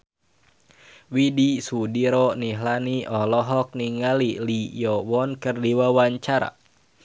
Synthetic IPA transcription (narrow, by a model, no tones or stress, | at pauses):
widisudiɾɔniɦlaniʔɔlɔɦɔk̚niŋalilijɔwɔnkɨrdiwawaɲt͡ʃaɾa̰